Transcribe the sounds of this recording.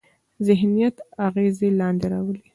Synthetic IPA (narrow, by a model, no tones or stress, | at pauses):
zɪɦnijat̪aɣezelɑnd̪eɾɑwəle